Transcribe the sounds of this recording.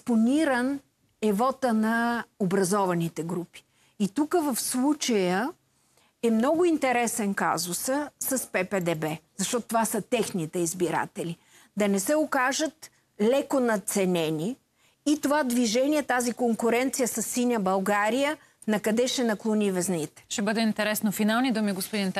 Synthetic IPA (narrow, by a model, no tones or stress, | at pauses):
sponiɾən | ɛvɔt̪ənɐobɾɐzɔvɐnit̪ɛɡɾupi̥ | it̪ukəvəfslˠut͡ʃəjə | ɛmnɔɡʊint̪ɛɾɛsɛnka̰zʊsəsɐspɛpɛd̪ɛbɛzɐʃt̪ɔt̪ot̪ovasət̪ɛxnit̪ɛizbiɾa̰t̪ɛli | d̪ɐnɛsɛokaʒət̪ | lɛkonɐt̪sɛnɛniː | t̪ovad̪viʒɛniɛt̪azikoŋkʊɾɛnt̪sijəsɐsːinʲəbɐlˠɡaɾijə | nɐkɐd̪ɛʃɛnɐklˠonivɛznit̪ɛ̥ʃɛbəd̪ɛint̪ɛɾɛsnofinalˠnid̪umiɡospʊd̪int̪